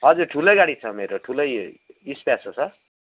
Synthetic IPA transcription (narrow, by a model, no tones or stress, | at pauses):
ɦʌd͡zurʈʰulʌjɡaɽit͡sʰʌmeɾoʈʰulʌjispjasʰʌt͡sʰʌ